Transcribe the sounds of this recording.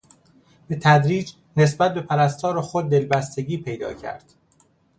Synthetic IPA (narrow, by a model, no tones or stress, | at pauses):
b̥e̞t̪ʰæd̪ɾiːd͡ʒ | ne̞s̬bæt̪̚be̞pʰæɾæst̪ʰɒːɾoxod̪̚ːe̞lbæst̪e̞ɟiːpʰe̞jd̪ɒ̰ːcʰæ̰ɾd̪̥